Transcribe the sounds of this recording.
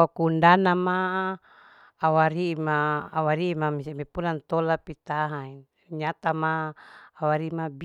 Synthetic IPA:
akuundanama | waɾimaːwaɾiːmamisamepulant̪olapit̪aɦai | ɲat̪amaː | waɾimab

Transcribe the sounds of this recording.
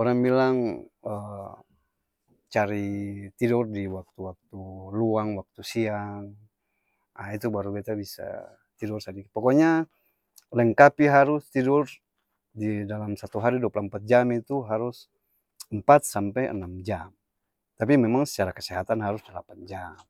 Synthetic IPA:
ɔɾaŋbilaŋə | t͡ʃaɾit̪idurdiwak̚t̪uwak̚t̪uluaŋwak̚t̪usiaŋ | ait̪ubaɾuɡɛt̪abisa̰ | t̪idursadikpɔkɔɲa | lɛŋkapiɦaɾʊst̪idʊr | didalamsat̪uɦaɾiduapulaəmpat̪̚d͡ʒamit̪uɦaɾus | əmpat̪̚sampɛjə̰namd͡ʒam | t̪apimemaŋsə̥t͡ʃaɾakəsɛɦat̪anɦaɾusdəla̰pand͡ʒam

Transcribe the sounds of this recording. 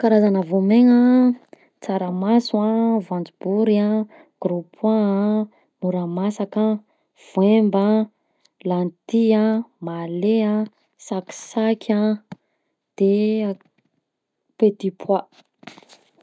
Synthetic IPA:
kaɾazanəvomeŋə | t͡saɾəmaswavãnd͡zibuɾia | ɡ̥ɾupʰwa | muɾamasaka | v̥wemba | lant̪iãmaleã | saki̥sakʲʰa | d̪̥e | pet̪ipʰwa

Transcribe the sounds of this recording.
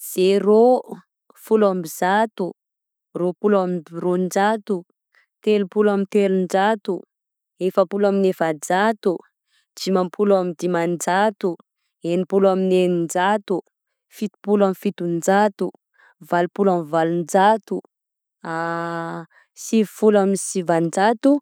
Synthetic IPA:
z̥ero | fulambizat̪u | ropulamirond͡ʒat̪u | t̪elupulamint̪eɾund͡ʒat̪u | efəpulaminefad͡zat̪u | d͡ʒimampʰulamid̪imand͡ʒat̪u | enipulaminenind͡ʒat̪u | fit̪i̥pulamifit̪und͡ʒat̪u | valupulamivalund͡ʒat̪u | a | sivifulaminisivand͡ʒat̪u

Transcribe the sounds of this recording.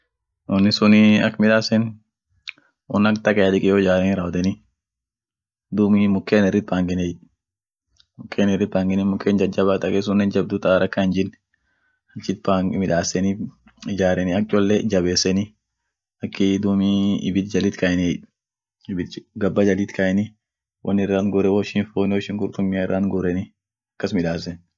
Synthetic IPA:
wɔnːɪsʊnɪɐkːmɪᶑaːsɛn | ɔnɐkt̪ɐkʼɛɐd̪ɪkʼɪjoːd͡ʒaːɾɛnɪɾɐwd̪ɛnɪ | d̪umɪmʊkːeːnɛrːɪt̪̚paːŋɡɪnɛ | mʊkʰːeːnɛrːɪt̪̚baːŋɡɪnɪmʊkːeːnd͡ʒɐd͡ʒɐβat̪ʼɐkʼɛs̬ʊnːɛnd͡ʒɐb̚d̪ʊt̪aɾɐkːaɪnd͡ʒɪn | ɐt͡ʃːɪt̪̚paːŋmɪᶑaːsːɛni | ɪd͡ʒaːɾɛnɪɐk̚t͡ʃʼɔlːɛd͡ʒɐβeːsːɛnɪ | ɐkːɪd̪umiɪ̰bɪt̪d͡ʒɐlɪt̪kɐjɛnɛ | ɪbɪt̪ɡɐbːɐd͡ʒɐlɪt̪kɐɛnɪ | wʔɐnːɛrːaːnɡʊɾɛwɔʃɪnfoːnwɔʃɪŋɡʊɾt̪ʊmːɪaɪrːaːnɡʊɾɛnɪ | ɐkːɐsmɪᶑaːsɛn

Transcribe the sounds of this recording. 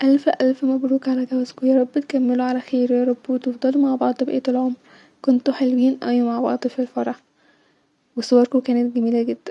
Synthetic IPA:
ʔælfʔælfmæbɾuːkʕalæɡæwæzkujɑɾˤɑbːɪt̪kæmːeluʕalæxeːɾjɑɾˤɑbːt̪ɑfd̪ˤɑlmaʕbɑʕd̪ˤbʔḛːt̪elʕomɾ | kont̪oħelwiːnʔæwmaʕbɑʕd̪ˤfilfɑɾˤɑħ | wesowɑɾˤkukæːnæt̪ɡæmiːlæɡed̪̥ːæn

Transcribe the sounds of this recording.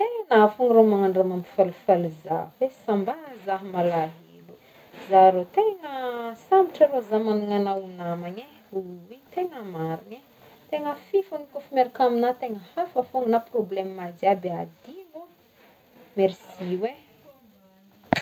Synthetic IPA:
t̪eŋnafuŋɾomaŋaɳɖ͡ʐamamifalufaluzavesambazaɦmalaɦilu | zaɾot̪eŋəsamiʈ͡ʂəɾozamanuŋanawunamaɲe | ɦuwit̪eŋəmaɾine | t̪eŋəfifunikufimeɾikaminat̪eŋəhafafuŋunaproblemmad͡ʒiabead̪ilu | meɾsiwe

